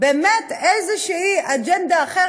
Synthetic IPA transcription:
beːmet̪ezeʃehiʔad͡ʒɛnd̪aːχe

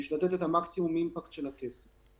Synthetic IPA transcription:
iʃlat̪ɛt̪ɛt̪amaksimumimpakt̪ʃelakesa

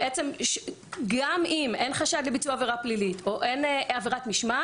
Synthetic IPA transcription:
ʔet͡se̞mʃ | ɡamime̞nχaʃad̪lebit͡suaveʁaplilitʰoʔe̞naveʁatmiʃma

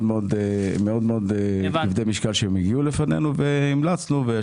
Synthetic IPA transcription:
dmeod̪meod̪meod̪ivd̪ejmiʃkalʃeemiɡiulefanḛnuveimlat͡snuve

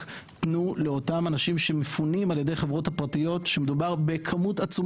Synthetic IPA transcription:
tnule̞o̞tamanaʃimʃe̞mefunimaljede̞jχevʁo̞thapʁatijo̞tʃemedubaʁbe̞kʰamutat͡su

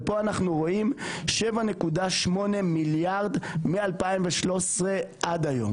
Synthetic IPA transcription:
po̞anaχnuʁo̞imʃevane̞kudaʃmo̞nemiljaʁd̪mialpaimveʃlo̞sʁe̞ʔad̪ajo̞̰m

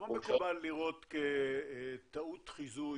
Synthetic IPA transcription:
amekubalːiʁo̞t̪ke | t̪aut̪χizu

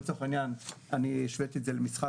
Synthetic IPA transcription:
t͡soχainjananiʃvet̪etzelemisχa

